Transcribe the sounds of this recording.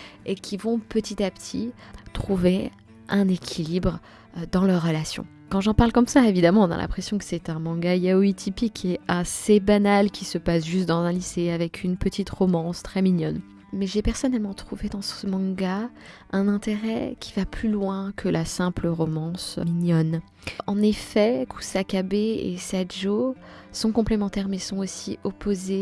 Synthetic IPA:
ekʲʰivɔ̃pət̪it̪apt̪ʰit̪χuve | ɛ̃nekʲʰilibʁ | d̪ɑ̃lœʁːəlasjɔ̰̃ | kɑ̃ʒɑ̃paʁlkɔmsaevid̪amɑ̃ɔ̃na̰lʔɛ̰̃pχesjɔ̃kə̥sɛt̪ɛ̃mɑ̃ɡajawit̪ʰipikʰːeasebanalkʲisəpasʒyst̪̚d̪ɑ̃zɛ̃liseavɛkʰynpət̪it̪ʁɔmɑ̃st̪χɛminjɔn | mɛʒepɛʁsɔnɛlmɑ̃t̪χuved̪ɑ̃səmɑ̃ɡa | ɛ̃nɛ̃t̪eʁɛ̰kʲʰivaplylwɛ̃kʰəlʔasɛ̃pləʁɔmɑ̃sminjɔn | ɑ̃nefɛkʰu̥sakabeḛsaʒo | sɔ̃kɔ̃plemɑ̃t̪ɛʁmɛsɔ̃osiʔopoze

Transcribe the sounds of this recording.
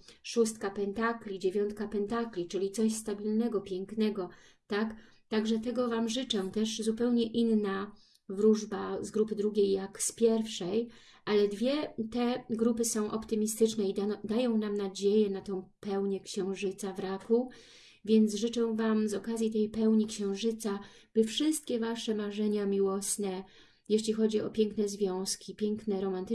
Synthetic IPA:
ʂust̪̚kapɛnt̪aklʲid͡ʑevʲjɔnt̪̚kapɛnt̪aklʲit͡ʂɘlʲit̪sɔɕst̪abʲilnɛɡɔpʲjɛŋknɛɡɔ | t̪ak | t̪aɡʐɛt̪ɛɡɔvamʐɘt͡ʂɛ̃t̪ɛʂzupɛwɲɛʔinːa | vɾuʐbazɡɾupɘd̪ɾuɡʲejːakspʲjɛɾfʂɛj | ʔalɛd̪vʲjɛt̪ɛɡɾupɘsɔ̃w̃ʔɔpt̪ɘmʲist̪ɘt͡ʂnɛid̪ajɔ̃w̃namnad͡ʑejɛnat̪ɔ̃w̃pɛwɲɛkɕɛ̃w̃ʐɘt̪savɾaku | vʲjɛnt̪zsʐɘt͡ʂɛ̃vamzɔkazʲjit̪ɛjpɛwɲikɕɛ̃w̃ʐɘt̪sab̥ɘfʂɘst̪̚kʲɛvaʂɛmaʐɛɲamʲiwɔsnɛ | jeɕlʲixɔd͡ʑiɔ̰pʲjɛŋknɛzvʲjɔ̃w̃skʲipʲjɛŋknɛɾɔmant̪ɘ

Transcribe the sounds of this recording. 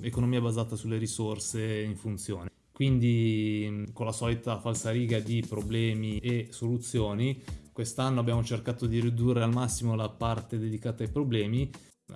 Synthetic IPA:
ekonomiːabazaːt̪asulːeɾisorseiɱfunt̪sjo̰ːne | kwind̪i | konlasɔːlit̪afalsaɾiːɡad̪ipɾoblɛːmiesolut̪sːjoːnikwest̪anːoabːjaːmot͡ʃerkaːt̪od̪iɾid̪urːealmasːimolapart̪ed̪ed̪ikaːt̪aajpɾoblɛːmi

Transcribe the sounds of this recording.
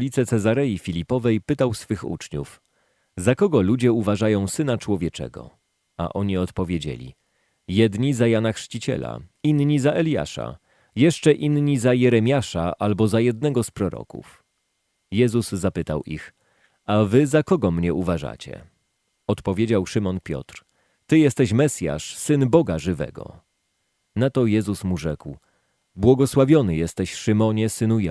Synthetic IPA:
lʲit̪sɛt̪sɛzaɾɛjifʲilʲipɔvɛjpɘt̪awsfɘxṵt͡ʂɲṵf | zakɔɡɔlud͡ʑɛuvaʐajɔ̃w̃sɘnat͡ʂwɔvʲjɛt͡ʂɛ̰ɡɔ̰ | a̰ʔɔɲiɔt̪pɔvʲjed͡ʑḛlʲḭ | jɛd̪ɲizajanaxʂt͡ɕit͡ɕɛ̰la̰inɲizaʔɛlʲja̰ʂa̰ | jɛʂt͡ʂɛʔinɲizajɛɾɛmʲjaʂaʔalbɔzajɛd̪nɛɡɔspɾɔɾɔ̰kṵf | jɛzuzːapɘt̪awʔḭx | avɘzakɔɡɔmɲɛʔuvaʐa̰t͡ɕɛ̰ | ɔt̪pɔvʲjed͡ʑawʂɘmɔnpʲjɔ̰t̪ɾ | t̪ɘjɛst̪ɛɕmɛsʲja̰ʂsɘnbɔɡaʐɘvɛ̰ɡɔ̰ | nat̪ɔjɛzusmuʐɛkw | bwɔɡɔswavʲjɔnɘjɛst̪ɛɕʂɘmɔɲɛsɘnuj

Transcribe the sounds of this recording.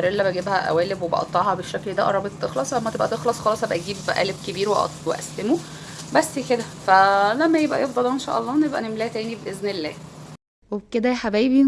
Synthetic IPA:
ɾelːæbæɡebhæʔæ̰wæːlebwebɑʔɑ̰t̪ˤːɑʕhɑbeʃːækld̪æʔɑ̰ɾˤɑbet̪t̪ːexlɑsˤlæmːæt̪ebʔæt̪exlɑsˤxɑlɑsˤhæbʔæɡiːbʔæ̰ːleb̚kebiːɾweʔɑ̰weʔæ̰slemo | bæsːked̪æfælæmːæjebʔæ̰jefd̪ˤɑld̪æenʃæ̰ʔɑ̰lˤːɑːnebʔæ̰nemlæːt̪æːnibʔeznelːæ̰ː | webked̪æħabæːbin

